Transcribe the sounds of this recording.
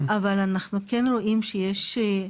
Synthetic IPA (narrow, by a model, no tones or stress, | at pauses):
ʔavalanaχnukenʁo̞ʔimʃejeʃ